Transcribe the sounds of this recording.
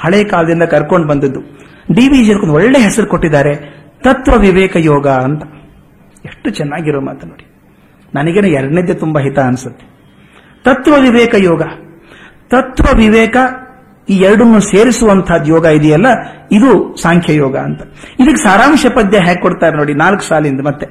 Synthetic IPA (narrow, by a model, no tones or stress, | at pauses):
hɐɭɛːɐkaːlɐd̪ind̪ɐkɐɾkoɳɖbɐnd̪id̪ːu | ɖiːʋid͡ʒɐd̪kːond̪ɔɭːe̞ːɦɛsɐɾukoʈːid̪ːaːɾe̞ | t̪ɐt̪ʋɐʋiʋɛːkɐjɔːɡɐɐnt̪ɐ̥ | eʂʈːut͡ʃɛnːaːɡiɾoːma̰ːt̪ɐnoːɽi | nɐnɐɡeːnuːɛɾɐɖned̪jɐt̪umbɐɦit̪ɐɐnsut̪ːe̥ | t̪ɐt̪ʋɐʋiʋɛːkɐjɔːɡɐ | t̪ɐt̪ʋɐʋiʋɛːkɐ | iːɛɾɐɽɐnːuseːɾisuʋɐnt̪ʰaːd̪jɔːɡɐid̪ijɐlːɐid̪usaːŋkʰjɐjɔːɡɐɐ̰nt̪ɐ̥id̪ɐk̬ːesaːɾaːmʃɐpɐd̪jɐɦaːɡekoɽt̪aːɾenoːɽinaːlku̥saːliind̪ɐmɐt̪ːe